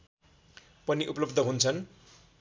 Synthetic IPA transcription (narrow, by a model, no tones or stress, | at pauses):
pʌniʔuplʌbd̪ʱʌɦunt͡sʰʌn